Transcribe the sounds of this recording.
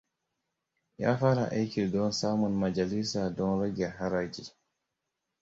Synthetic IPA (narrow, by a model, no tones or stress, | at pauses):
ja̰faɾa̰ʔejkiɾdɔnsaːmunmad͡ʒalisadɔnɾɔɡɛɦaɾad͡ʒi